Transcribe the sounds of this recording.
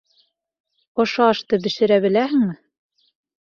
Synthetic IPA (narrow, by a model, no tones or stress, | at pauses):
ŏʃɑɑʃt̪ɤbɘ̆ʃɘ̆ɾæβɘ̆læhɘŋmɘ